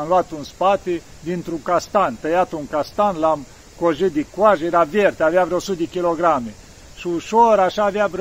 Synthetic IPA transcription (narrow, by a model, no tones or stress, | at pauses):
mluat̪unspat̪e | d̪int̪ɾuŋkast̪ant̪əjat̪uŋkast̪anlam | koʒit̪̚d̪ikwaʃjeɾavert̪eaveavɾeosut̪̚d̪ekʲiloɡɾame | ʃiuʃoɾaʃaːveabɾ